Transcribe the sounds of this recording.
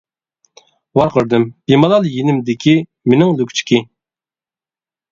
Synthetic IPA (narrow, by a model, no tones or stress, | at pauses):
wɑɾqʰəɾd̪ɪmb̥imɑlˠɑlˠjinɪmd̪ɪkʲʰi | menɪŋlykʲt͡ʃʰi̥kʲi